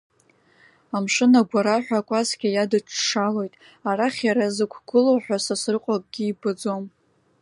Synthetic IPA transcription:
amʂɨnaɡʷaɾaħʷᶣakʷʼazɡʲajadɨʈ͡ʂʰʂalo̞jtʼ | araχʲjaɾazɨkʷʰɡ̥ɨlowħʷᶣasasɨrqʷʼakʼɡ̥ʲiibɨd͡zo̞m

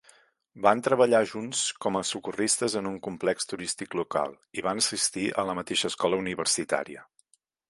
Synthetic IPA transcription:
bant̪ɾəβəʎaʒunskɔməsukurist̪əzənuŋkumplɛkst̪uɾist̪ikluka̰lˠ | iβ̞anəsist̪iʔə̰ləmət̪eʃəskɔləuniβ̞əɾsit̪a̰ɾiə

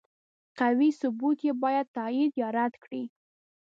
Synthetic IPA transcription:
qawisʊbut̪jebɑjad̪̚t̪ɑid̪jɑɾad̪kɽi

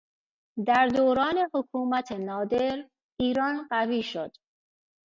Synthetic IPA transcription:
d̪æɾd̪oːɾɒːne̞hokʰuːmæt̪ʰenɒːd̪e̞ɾ | iːɾɒːnɢæviːʃod̪̥

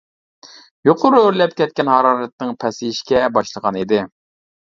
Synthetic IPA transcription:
joqʰʊɾʊøɾlɛpkʲɛt̪̚kʲɛnhɑɾɑːɾɛt̪̚nɨŋpʰɛsɪiʃkʲɛbɑʃlˠəʁɑnid̪ɪ

